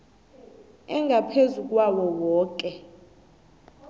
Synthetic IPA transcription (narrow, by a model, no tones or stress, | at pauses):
ɛŋɡʱapʰezuk̬ʼwawɔwɔːk̬ʼɛ